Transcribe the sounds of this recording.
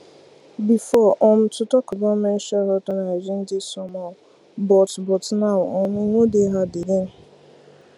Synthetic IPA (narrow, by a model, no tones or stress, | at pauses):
bifɔʔɔm̩tʊtɔkʊbɔmen̩ʃɛɦɔtɔnad͡ʒɪn̩d͡ʒɪsɔma | bɔtbɔtnawʊɔmiŋʷodeɦadiden̩